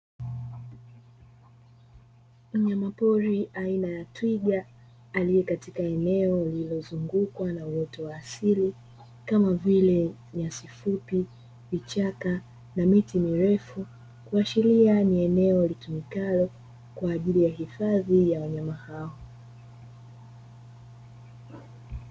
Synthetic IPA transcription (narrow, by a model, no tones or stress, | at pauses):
m̩ɲamapɔɾiʔainajatwiɠaː | lijɛkatikaɛnɛɔlilɔzuŋɡukwanauwɔtɔwaːsili | kamavilɛ | ɲasifupi | vit͡ʃaka | namitimiɾɛfu | kuaʃilianiɛnɛɔlikimikalɔ | kwaːʄilijaɦifaðijawaɲamahaɔ